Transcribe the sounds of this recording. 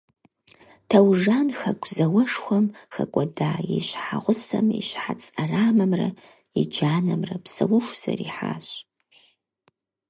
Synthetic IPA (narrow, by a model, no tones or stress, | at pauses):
tʰɐwʒaːnxɐkʷʰʼzɐwɐʂxʷɐmxɐkʷʼɔdaːjiɕħaʁʷʊsɐmiɕħat͡sʼɐraːmɐmrɐ | id͡ʒaːnɐmrɐpsɐwʊʃʷz̥ɐ̰riːħa̰ːɕʼ